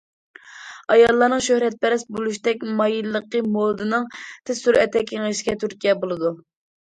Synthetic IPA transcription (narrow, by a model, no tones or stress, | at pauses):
ɑjɑlˠːɑɾnɨŋʃøhɾɛt̪̚pɛɾɛsbolˠuʃ̬d̪ɛkʲmɑjilːəqːəmod̪ɨnɨŋt̪ʰɪsyɾɛt̪ʰːɛkʲʰːeŋəʃɪ̥ɡʲɛt̪ʰyɾkʲijɛbolˠɨd̪u